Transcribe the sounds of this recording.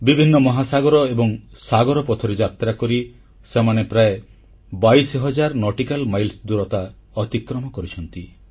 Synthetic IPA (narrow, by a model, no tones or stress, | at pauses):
bibʱinːɔmɔɦasaɡɔɾɔebɔŋsaɡɔɾɔpɔt̪ʰɔɾed͡ʒat̪ɾakɔɾi | semanepɾae | bajsɔɦɔd͡ʒaɾnɔʈikalmajlsd̪uɾɔt̪a | ɔt̪ikɾɔmɔkɔɾit͡ʃʰɔnt̪i